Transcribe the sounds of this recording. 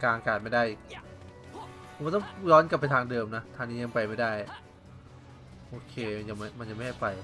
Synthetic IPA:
kaː˧kaː˨˩t̪̚ma˥˩jda˥˩j | ma˥˩t̪ɔ˥˩ŋɾɔː˦˥nka˨˩pːa˧t̪ʰaː˧ŋdɤː˧mna˦˥t̪ʰaː˧ŋniː˦˥ja˧ŋpa˧jma˥˩jdaː˥˩j | ʔoː˧kʰeː˧nja˧˩ŋma˥˩ma˧nja˨ŋma˥˩ha˥˩jpa˧j

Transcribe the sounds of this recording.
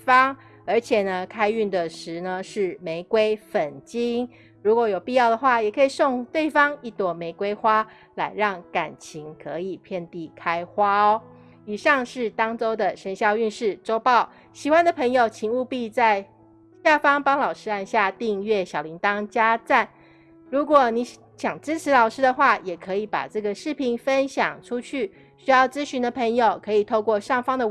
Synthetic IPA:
fɑ˥ŋ | ə˞˧˥t͡ɕʰjɛ˨˩nə˦kʰa˥ɪy˥˩nd̪ə˨ʂɻ̩˧˥nə˧ʂɻ̩˥˩me˧˥ɪkwe˥ɪfə˨˩nt͡ɕi˥ŋ | ɻu˧˥kwɔ˧˥jo˨˩ʊpi˥˧jɑ˥˩ʊd̪ə˩xwa˥˩jɛ˨˩kʰɤ˧˥i˨˩so˥˧ŋt̪we˥˩ɪfɑ˦ŋi˥˩t̪wɔ˧˥me˧˥ɪkwe˥ɪxwa˥ | la˧˥ɪɻɑ˥˩ŋka˨˩nt͡ɕʰi˧˥ŋkʰɤ˧˦i˨˩pʰjɛ˥˧nt̪i˥˩kʰa˥ɪxwa˥˦ | i˨˩ʂɑ˥˧ŋʂɻ̩˥˩t̪ɑ˥ŋt͡so˥ʊd̪ə˨ʂə˧˥nɕjɑ˥˧ʊy˥˧nʂɻ̩˥˩ʈ͡ʂo˥ʊpɑ˥˩ʊ | ɕi˨˩xwa˥nd̪ə˨pʰə˧˥ŋjo˨˩ʊt͡ɕʰi˧˥ŋu˥˧pi˥˧t͡sa˥˧ɪ | ɕja˥˩fɑ˥ŋpɑ˥ŋlɑ˨˩ʊʂɻ̩˥a˥˧nɕja˥˧t̪i˥˧ŋɥɛ˥˩ɕjɑ˨˩ʊli˧˥ŋt̪ɑ˥ŋt͡ɕja˥t͡sa˥˩n | ɻu˧˥kwɔ˨˩ni˧˥ | ɕjɑ˨˩ŋʈ͡ʂɻ̩˥ʈ͡ʂʰɻ̩˧˥lɑ˨˩ʊʂɻ̩˥d̪ə˨xwa˥˩jɛ˨˩kʰɤ˧˥i˧˩pa̰˨˩ʈ͡ʂɤ˥˩ɡə˩ʂɻ̩˥˩pʰi˧˥nfə˦˥nɕjɑ̰˨˩ŋʈ͡ʂʰu˥t͡ɕʰy˥˩ | ɕy˥jɑ˥˩ʊt͡sɹ̩˥ɕy˧˥nd̪ə˨pʰə˧˥ŋjo˨˩ʊkʰɤ˧˥i˨˩t̪ʰo˥˧ʊkwɔ˥˧ʂɑ˥˩ŋfɑ˥ŋd̪ə˨

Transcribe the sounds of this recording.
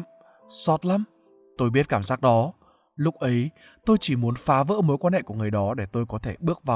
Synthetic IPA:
sɔ˦˥t̚la˧m | t̪o˧jɓi˦˥t̚kaː˧˩mzaː˦˥k̚ɗɔ˨˦ | lʊ˦˥k͡p̚ʔə˨˦j | t̪o˧jt͡ɕi˧˩mu˨˦ənfaː˨˦və̰ː˧˥mo˨˦jkwaː˧nhɛ̰˧˨ku˧˩əŋɨ˨˩əjɗɔ˨˦ɗe˧˩t̪o˧jkɔ˨˦t̪ʰe˧˩ɓɨ˦˥ək̚va˨˩

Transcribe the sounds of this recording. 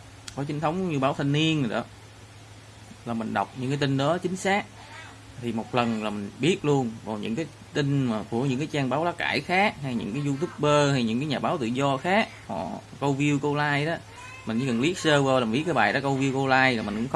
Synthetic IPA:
kɔ˨˦t͡ɕi˨˦ŋ̟t̪ʰə˦wŋ͡mɲɨ˧ɓaː˨˦wt̪ʰə˧nni˧ənə˨˩ɗɔ̰˨˦ | laː˨˩mï˨˩ŋ̟ɗa̰˨˩wk͡p̚ɲɨ̰˧˥ŋkːaː˨˦jt̪i˧n̟ɗɔ˨˦t͡ɕï˨˦ŋ̟saː˦˥k̚ | t̪ʰi˨˩mo˨˩t̚lə˨˩nlaː˨˩mï˨˩ŋɓi˦˥ət̚lu˧ənvɔ˨˩ɲɨ̰˧˥ŋkaː˨˦j | t̪i˧ŋ̟maː˨˩ku˧˩əɲɨ̰˧˥ŋkaː˨˦jt͡ɕaː˧ŋɓaː˨˦wɗɔ˨˦kaː˧˩jxaː˦˥k̚ɦa˧jɲɨ̰˧˥ŋkaː˨˦jzu˧t̪ʰu˦˥k͡p̚ɓəː˧ha˧jɲɨ̰˧˥ŋkaː˨˦jɲaː˨˩ɓaː˨˦wt̪ɨ̰˧˨zɔ˧xaː˦˥k̚hɔ̰˨˩ | kə˧wvi˧əwko˧laː˧jɗɔ˨˦ | mi̟˨˩˨kə˨˩nli˦˥ət̚səː˧wəː˧wla˨˩˨ɓi˦˥t̚kːɓaː˨˩jɗɔ˨˦kə˧wvi˧əwko˧laː˧jmï˨˩ŋ̟kʊ̰˧˦˥x

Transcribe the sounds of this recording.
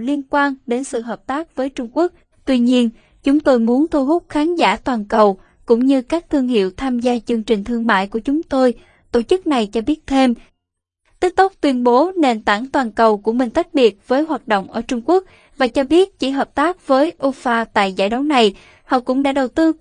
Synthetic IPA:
li˧ənkwaː˧nɗe˨˦nsɨ̰˧˨ɦəː˨˩p̚t̪aː˦˥k̚vəː˨˦jt͡ɕʊ˧ŋ͡mku˦˥ək̚ | t̪wi˧ɲi˧ən | t͡ɕʊ˨˦ŋ͡mt̪o˧jmu˨˦ənt̪ʰu˧hʊ˦˥k͡p̚xaː˨˦nzaː˧˩t̪waː˨˩nkə˨˩w | kʊ̰˧˥ŋ͡mɲɨ˧kaː˦˥k̚t̪ʰɨ˧əŋhḭ˧˨əwt̪ʰaː˧mzaː˧t͡ɕɨ˧əŋt͡ɕï˨˩ŋ̟t̪ʰɨ˧əŋma̰ː˧˨jku˧˩ət͡ɕʊ˨˦ŋ͡mt̪o˧j | t̪o˧˩t͡ɕɨ˦˥k̚na˨˩jt͡ɕɔ˧ɓi˦˥ət̚t̪ʰe˧m | t̪i˦˥k̚t̪ʊ˦˥k͡p̚t̪wi˧ənɓo˨˦ne˨˩nt̪a˧˩ŋt̪waː˨˩nkə˨˩wku˧˩əmï˨˩ŋ̟t̪a˦˥k̟̚ɓi˨˩ət̚v̥əː˨˦jɦwaː˨˩t̚ɗo̰˧˨wŋ͡mʔəː˧˩t͡ɕʊ˧ŋ͡mku˦˥ək̚ | vaː˨˩t͡ɕɔ˧ɓi˦˥ət̚t͡ɕḭ˧˩ɦəː˨˩p̚t̪aː˦˥k̚vəː˨˦jʔo˧faː˧t̪a̰ː˧˨jza̰ː˧˩jɗɔ˨˦wna˨˩j | hɔ̰˧˨wkʊ̰˧˥ŋ͡mɗa̰ː˧˥ɗə˨˩wt̪ɨ˧

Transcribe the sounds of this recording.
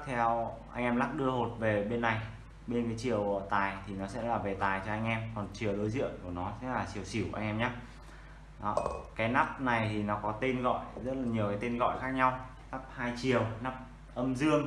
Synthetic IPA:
t̪ʰɛ˧wʔa˧ŋʔɛ˧mla˦˥k̚ɗɨ˧əho˨˩t̚ve˨˩ɓe˧nːa˨˩j | ɓe˧nkaː˨˦jt͡ɕi˧˩əwə˧˨˩t̪aː˨˩jt̪ʰi˨˩nɔ˨˦sɛ̰˧˥laː˨˩ve˨˩t̪aː˨˩jt͡ɕɔ˧ʔa˧jŋʔɛ˧mkɔ˨˩nt͡ɕi˨˩əwɗo˨˦jzḭ˧˨ənku˧˩ənɔ˨˦sɛ̰˧˥laː˨˩t͡ɕi˨˩əwsi˧˩wʔa˧ŋʔɛ˧mɲaː˦˥ | ɗɔ˨˦kaː˨˦jna˦˥p̚na˨˩jt̪ʰi˨˩nɔ˨˦kɔ˨˦t̪e˧nɣɔ̰˧˨jzə˦˥t̚laː˨˩ɲi˨˩əwkaː˨˦jt̪e˧nɣɔ̰˧˨jxaː˦˥k̚ɲa˧w | t̪a˦˥p̚haː˧jt͡ɕi˨˩əwna˦˥p̚ | ʔə˧mzɨ˧əŋ

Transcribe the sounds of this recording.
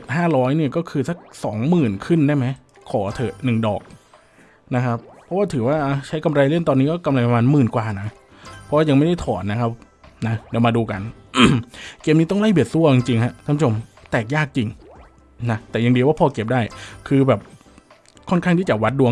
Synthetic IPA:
t̪̚haː˥˩ɾɔː˦˥jni˥˩kɔː˥˩kʰɯː˧sa˦˥k̚sɔː˩˦ŋmɯː˨˩nkʰɯ˥˩ndaː˥˩jma˦˥j | kʰɔː˩˦t̪ʰɤː˨˩nɯ˨˩ŋdɔ̰ː˨˩k̚ | na˦˥kʰa˦˥pʰːɔ˦˥waː˥˩t̪ʰɯː˩˦waː˥˩ʔa˧˩t͡ɕʰa˦˥jka˧mɾa˧jlɯ˥˩nt̪ɔː˧nːiː˦˥kɔː˥˩ka˧mla˧jpa˧maː˧nmɯː˨˩nkwaː˨˩na˦˥ | pʰːɔ˦˥waː˥˩ja˧ŋma˥˩jda˥˩jt̪ʰɔː˩˦nːa˦˥kʰa˦˥p̚ | na˦˥dɛː˧˩wmaː˧duː˧ka̰˧n | ʔkeː˧mniː˦˥t̪ɔ˥ŋla˥˩bi˨˩ət̪̚su˥˩ɐt͡ɕi˧ŋt͡ɕi˧ŋha˦˥ʔk̪ʰaː˥pʰːa˦˩o˧mt̪ɛː˨˩k̚jaː˥˩k̚t͡ɕi˧ŋ | na˦˥t̪ɛː˨˩ja˧ŋdi˧waː˥˩pʰɔː˧ke˨˩p̚daː˥˩jkʰɯː˧bɛː˨˩p̚ | kʰɔ˥˩nkʰa˥˩ŋʰiː˥˩t͡ɕa˨˩wa˦˥t̪̚du˧

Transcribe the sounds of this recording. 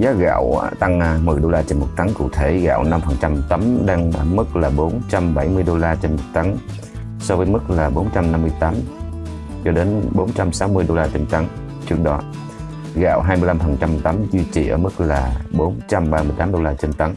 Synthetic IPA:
zaː˨˦ɣa̰ː˧˨wt̪a˧ŋ˧mɨ˨˩əjɗo˧laː˧t͡ɕe˧nmo˨˩t̚t̪a˨˦ŋkṵ˧˩˨t̪ʰe˧˩ɣa̰ː˧˨wna˧mfəː˨˩ŋt͡ɕa˧mt̪ə˨˦mɗaː˧ŋʔəː˧˩mɨ˦˥k̚laː˨˩ɓo˨˦nt͡ɕa˧mɓa˧˩jmɨ˧əjɗo˧laː˧t͡ɕe˧nmo˨˩t̚t̪a˨˦ŋ | sɔ˧vəː˨˦jmɨ˦˥k̚laː˨˩ɓo˨˦nt͡ɕa˧mna˧mːɨ˧əjt̪aː˨˦m | t͡ɕɔ˧ɗe˨˦nɓo˨˦nt͡ɕa˧msa˨˦wmɨ˧əjɗo˧laː˧t͡ɕe˧nt̪a˨˦ŋ | t͡ɕɨ˦˥ək̚ɗɔ˨˦ | ɣa̰ː˧˨wɦaː˧jmɨ˧əjla˧mfəː˨˩ŋt͡ɕa˧mt̪ə˨˦mzwi˧t͡ɕi˧˩ʔə̰ː˧˩mɨ˦˥k̚laː˨˩ɓo˨˦nt͡ɕa˧mɓaː˧mɨ˧əjt̪aː˨˦mɗo˧laː˧t͡ɕe˧nt̪a˨˦ŋ

